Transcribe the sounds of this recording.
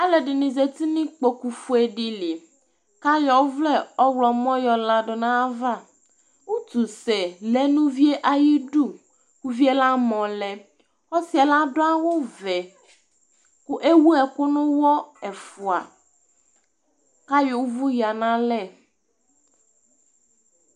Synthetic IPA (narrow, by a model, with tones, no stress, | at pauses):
a˦lɛ˨ɖɪ˨nɪ̃˨zɛ˨t̪i˦nɪ̃˦k͡po˨ku˨fu˦ɛ˨ɖi˨lɪ˨ | ka˦jɔ˦vlɛ˦ɔ˦wlɔ˨mɔ̃˦jɔ˨la˨ɖɔ˨nã˦va˦˨ | wu˦t̪u˨sɛ˨lɛ˦nũ˦vi˦e˦ʔa˨ji˦ɖu˦ | ku˦vi˦ɛ˦la˦mɔ̃˨lɛ˨ | ɔ˦si˦a˨la˦ɖɔ˦a˦wo˦vɛ˨ | kʊ˦ʔe˦wu˦ɛ˨kʊ˦nʊ̃˦wɔ˦ɛ˨fu˨a̰˨ | ka˦jo˦vu˦ja˨nã˦lɛ˦˨